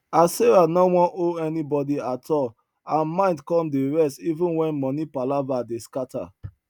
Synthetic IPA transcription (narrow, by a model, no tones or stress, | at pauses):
aseɹanowɔ̃noɛnibɔdiatʰɔl | ãnmãɪ̃ndkɔ̃mdeɹɛstivũnwɛ̃nmɔnipalavadeskata̰